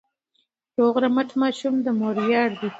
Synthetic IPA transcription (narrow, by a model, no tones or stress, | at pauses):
joɣɾamaʈmɑʃumd̪əmoɾjɑɾd̪i